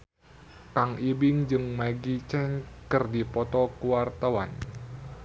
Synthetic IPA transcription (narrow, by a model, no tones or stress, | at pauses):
kaŋibɪŋd͡ʒɨŋmaɡit͡ʃɛnkərdipɔt̪ɔkuwart̪awan